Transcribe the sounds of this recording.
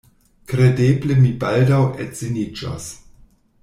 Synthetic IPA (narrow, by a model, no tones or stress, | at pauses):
kɾedeblemibaldawez̥enid͡ʒa̰s